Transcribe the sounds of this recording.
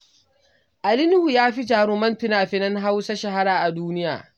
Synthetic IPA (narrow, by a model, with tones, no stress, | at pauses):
ʔa˨lɪ˦n˦hu˨jaː˦ɸi˦d͡ʒaː˨ɽoː˦mɐ˦ntɪ˦naː˨ɸɪ˦nɐ˦nɦa˦wsa˦ʃa˨ɦa˦ɽaː˨ʔa˨duː˦nɪ˦ja̰ː˨